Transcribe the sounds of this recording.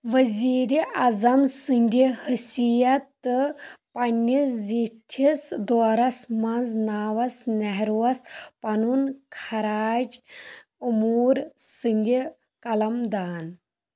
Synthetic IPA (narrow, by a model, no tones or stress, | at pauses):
ʋɐziːɾiʔɐzɐmsɨnʲd̪ʲihəsijɐt̪ːɨpɐnːizit̪ʲʰisd̪ɔːɾɐsmɐnznaːʋɐsnɛɦɾuwɐspɐnunkʰɐɾaːd͡ʒ | umuːɾsɨnʲd̪ʲi | kɐlɐmd̪aːn